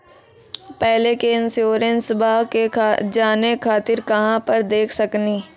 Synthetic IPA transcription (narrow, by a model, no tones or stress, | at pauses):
pɛɦlekeɪnsjoːɾẽnsbʱaːɦked͡ʒaːnekʰaːt̪ɪɾkɐɦãpɐɾd̪eːkʰsɐkniː